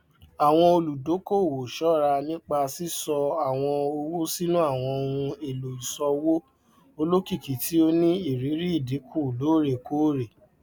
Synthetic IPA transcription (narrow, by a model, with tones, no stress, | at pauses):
a˨w̃ɔ̃˧o˧lu˨do˨˦ko˦˨wo˨ʃɔ˦ɾa˧nĩ˦k͡pa˧si˦sɔ˧a˨w̃ɔ̃˧o˧wo˦si˦nũ˦a˦˨w̃ɔ̃˧o˧ũ˧e˨lo˨i˨sɔ˧wo˦ | o˧lo˦ki˦˨ki˨tʰi˨˦o˧nĩ˦i˦˨ɾi˨˦ɾi˦i˦˨di˨˦kʰu˦˨loː˨˦˨ɾe˨ko˦˨ɾe˨